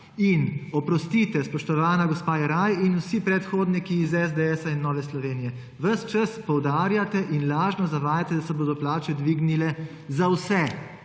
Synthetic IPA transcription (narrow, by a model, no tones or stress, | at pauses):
inɔpɾɔst̪it̪ɛspɔʃt̪ɔʋaːnaɡɔspaːjɛɾajinusipɾɛt̪xoːd̪nikiːzɛzd̪ɛɛsainːɔːʋɛslɔʋeːnijɛ | ʋəst͡ʃɐspɔwd̪aːɾjat̪ɛʔinlaːʒnɔzaʋaːjat̪ɛd̪asɛboːd̪ɔplaːt͡ʃɛd̪ʋiɡnilɛ | zawsɛ